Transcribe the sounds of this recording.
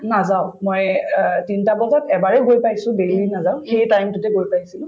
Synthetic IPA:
nazaʊ̃mɔjtintabɔzɔtɛbaɹɛɡojpajsʊ̃belinazaʊ̃xejtajmtʊtɛɡojpajsilʊ̃

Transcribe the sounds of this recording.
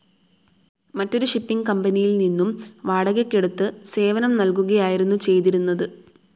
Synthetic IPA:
mɐtːo̞ɾuʂipːiŋɡkɐmbɐnijilninːumʋaːɽɐɣɐkʲːeɽut̪ːɨse̞ːʋɐnɐmnɐlkuɣɐjaːjiɾunːut͡ɕe̞jt̪̬iɾunːɐðɨ

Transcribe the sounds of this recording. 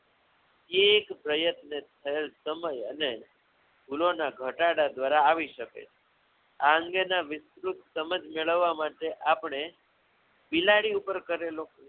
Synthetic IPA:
eːkpɾəjət̪net̪ʰːəelsəməjəne | ɡʱulonaɡʱəʈaɽad̪ʋaɾaːʋiʃəkḛt͡ʃʰe̥ | aə̃ŋɡenaʋɪst̪ɾut̪səməd͡ʒmeɭəʋːamaʈeʔapɳ̃e | bilaɽiupəɾkəɾelo

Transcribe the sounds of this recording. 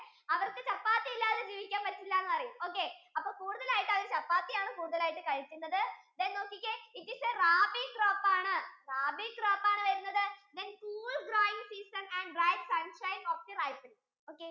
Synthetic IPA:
ɐʋɐrkːɨt͡ɕɐpːaːt̪ːijilːaːɐðed͡ʑiːʋikʲːaːnʋɐtːiilːɐenːɨpɐrɐjumo̞ːkːe̞ɐpːoːkuːruðɐlaːjiʈːɐʋɐɾɨt͡ɕɐpːaːt̪ːijaːɳɨkuːɽuðɐlaːjiʈːɨkɐɻit͡ɕːunːɐðɨðeːnno̞ːkːikʲːeikːiseraːbikroːpːaːɳɨraːbikraːpːaːɳɐɾunːɐðɨðenkuːɭɡɾoːjiŋsiːsɐnɛɳɖrɐjʈsɐnʂɐjnoːfd̪irajpin | oːkːe

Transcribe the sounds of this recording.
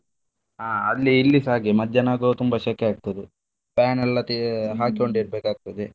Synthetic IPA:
aːɐlːiːlːisaːɡimɐd̪jɐnaːɡot̪umbɐʃɐkeaːɡ̚t̪ɐd̪e | paːnɛlːɐt̪iɦaːkioɳɖeːɽbeːkaːɡ̚t̪ɐd̪e

